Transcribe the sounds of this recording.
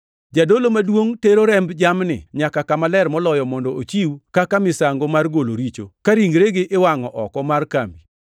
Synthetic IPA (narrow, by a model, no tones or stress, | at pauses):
d͡ʒadolomadwoŋteɾoɾɛmbd͡ʒamnɪ̰ɲakakamalɛrmɔlɔjɔmɔndɔʔot͡ʃiwkakamɪsaŋɡomarɡoloɾit͡ʃokaɾiŋɡɾeɡɪʔɪwaŋɔʔɔkɔmarkambi